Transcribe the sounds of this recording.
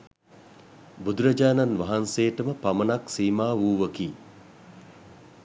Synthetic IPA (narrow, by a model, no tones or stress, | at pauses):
bud̪uɾəd͡ʒaːnanʋaɦanseːʈəməpamənaksiːmaːʋuːʋəkiː